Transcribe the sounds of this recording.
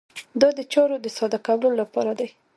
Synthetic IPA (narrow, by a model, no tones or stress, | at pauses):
d̪ɑd̪ət͡ʃɑɾod̪əsɑd̪akawləolapɑɾad̪aj